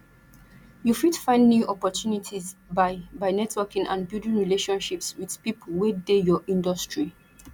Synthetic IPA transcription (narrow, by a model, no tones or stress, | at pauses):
jufitfãɪ̃ndnjuʔɔpɔtʰjunitʰizbaɪbaɪnɛtwɛkĩŋã̰nbildĩnɹileʃɔ̃nʃipswið̥pipʰolwedejɔʔĩndɔstɹi